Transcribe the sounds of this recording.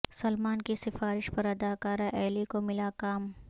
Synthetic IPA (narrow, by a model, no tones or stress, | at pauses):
sɐlmaːnkisɪfaːɾɪʃpɐɾɐd̪aːkaːɾaʔɛːlikomɪlakaːm